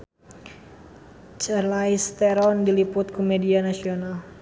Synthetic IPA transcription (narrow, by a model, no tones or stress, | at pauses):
t͡ʃəlajst̪eɾɔndilipʊt̪̚kumedianasional